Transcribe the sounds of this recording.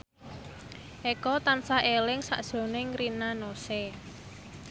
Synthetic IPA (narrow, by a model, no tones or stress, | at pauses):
ʔekɔt̪ansaʔelɪŋsa̰ʔd̥ʒ̥o̤nɪŋɾinanose